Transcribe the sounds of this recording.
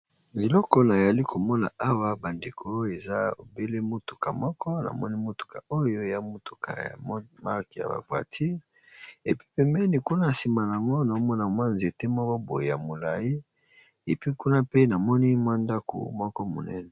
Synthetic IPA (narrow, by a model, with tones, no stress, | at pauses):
e˨lɔ˦kɔ˦na˨ja˨li˦ko˨mɔ˦na̰˨ʔa˦wa˦ba˨nde˨kʰo˨˦e˨za˦o̰˨be˦le˦mo˦tu̥˨ka˨mɔ˦kɔ˦na̰˨mɔ˦ni˦mo˦tu̥˨ka̰˨o˦jo˦e˨ja˦mo˨tu˨kʰa̰˨ja̰˨˦ma˦ki˨ja̰˨ba̰˨vwa̰˨tʰi˦ʁ | e˨pi̥˦pɛ˨mbɛ˦ni˨ku˦na˦˨si˨ma˨n˨a˨ŋɡo˦na˨o˦mɔ˦na˨mwa˦nzi˨e˨te˦mɔ˦kɔ˦bo˨e˨ja̰˨mo˨la˨ji˦ | e˨pi˦ku˦na˦pe˦na˨mɔ˦ni˦mwa˦nda˦ko̰˨mɔ˦kɔ˦mo̰˨nɛ˦nɛ˨